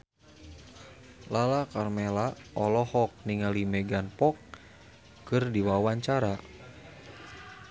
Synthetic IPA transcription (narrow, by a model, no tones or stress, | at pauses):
lalakarmɛlaɔlɔhɔk̚niŋalimɛɡanpɔkː | ɨrdiwawaɲt͡ʃaɾa